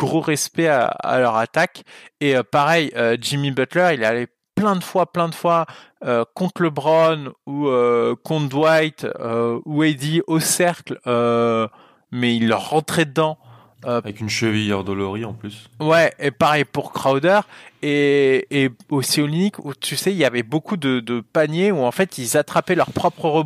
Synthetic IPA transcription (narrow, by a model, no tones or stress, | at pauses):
ɡ̥ʁoʁɛspɛa̰a̰lœʁat̪akeøpaʁɛjød͡ʒimibœt̪lœʁilɛale | plɛ̃d̪əfwaplɛ̃d̪əfwaøkɔ̃t̪χləbʁɔnuøkɔ̃d̪wajt̪øuɛjd̪iosɛʁklø | mɛilːəʁːɑ̃t̪χɛd̪əd̪ɑ̃ | øavɛkynʃəvijɔʁd̪ɔlɔʁiɑ̃plyswɛepaʁɛjpuʁkχawd̪œʁeː | osiolinikut̪ysɛilavɛbokud̪əd̪əpanjeuɑ̃fɛt̪ilzat̪χapɛlœʁpχɔpχəʁə